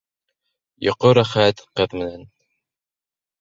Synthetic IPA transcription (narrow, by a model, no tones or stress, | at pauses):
jŏqoɾæχæt̪qɤðmɘ̆næn